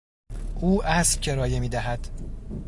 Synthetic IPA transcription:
ʔuːʔæscʰe̞ɾɒːjemiːd̪æɦæd̪̥

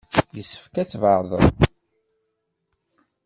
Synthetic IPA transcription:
jəsːə̥fkæt͡sːvəɾˤðˤə̰ð

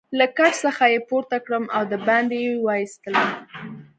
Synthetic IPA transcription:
lakat͡ʃsəxajepoɾt̪akɽəmʔawd̪əbɑnd̪jewɑjist̪ələm

